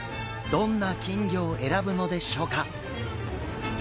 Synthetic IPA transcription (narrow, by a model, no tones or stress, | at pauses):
d̪õ̞nːakʲĩŋɡʲo̞ːe̞ɾabɯ̟no̞d̪e̞ɕo̞ːka